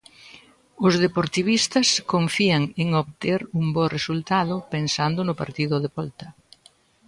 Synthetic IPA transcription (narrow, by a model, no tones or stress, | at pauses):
ʊzðepoɾt̪iβ̞ist̪ɐskoɱfiɐŋeŋoβt̪eɾuŋboresult̪aðʊpensand̪ʊnʊpa̰ɾt̪iðʊðeβɔlt̪ɐ